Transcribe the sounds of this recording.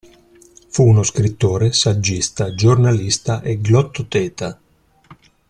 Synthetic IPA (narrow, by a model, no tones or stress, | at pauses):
funoskɾit̪ːoːɾesad͡ʒːist̪ad͡ʒornalist̪aʔeɡlɔt̪ːot̪ɛːt̪a